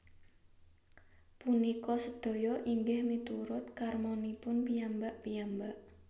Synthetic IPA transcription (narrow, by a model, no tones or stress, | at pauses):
punikɔsəd̪̥o̤jɔʔiŋɡɪhmit̪uɾʊt̪̚karmɔnipʊnpiambaʔpijambaʔ